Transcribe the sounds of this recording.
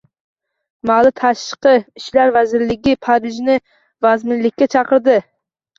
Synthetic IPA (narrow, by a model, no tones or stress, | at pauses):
malˠɪt̪ʰɑʃʃqɨɪʃlaɾvæzɪɾlɪɡʲɪpʰɑɾɪʒnɪ | vazmɪnlɪkʲːat͡ʃʰɑqɨɾd̪ɪ